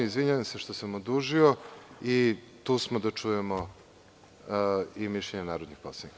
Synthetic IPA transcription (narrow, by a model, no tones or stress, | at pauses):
izʋiɲaʋamseʃt̪osamod̪uʒioi | t̪uːsmod̪at͡ʂujemo | imiʃʎeɲenaːɾod̪nixposanik